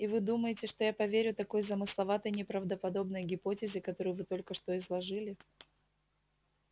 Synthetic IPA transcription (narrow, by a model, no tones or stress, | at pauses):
ivɨd̪uməjɪtʲɪʂt̪o̞japɐvʲeɾʲʊt̪ɐko̞jzəmɨslˠɐvat̪əjnʲɪpɾəvd̪əpɐd̪o̞bnəjɡʲɪpo̞tʲɪzʲɪkɐt̪o̞ɾɨjʊvɨt̪o̞lʲkəʂt̪o̞ɪzlˠɐʐɨlʲɪ